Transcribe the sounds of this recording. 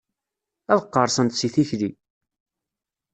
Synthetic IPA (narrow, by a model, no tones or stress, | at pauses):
æðəqːɑɾˤsənt̪siθiçli